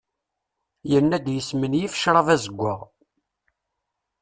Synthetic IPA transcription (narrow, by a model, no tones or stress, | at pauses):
jənːæd̪jəsmənjifə̥ʃɾˤɑvæzəɡʷːə̰ʁ